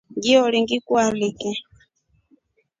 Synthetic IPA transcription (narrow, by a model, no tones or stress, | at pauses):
ŋɡiɔliŋɡikwalikɛ